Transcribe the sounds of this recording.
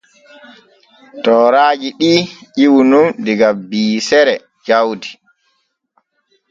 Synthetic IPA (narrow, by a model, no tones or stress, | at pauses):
tɔːɾaːd͡ʒiɗiːʔiwunundiɡabiːsɛɾɛ | d͡ʒawdi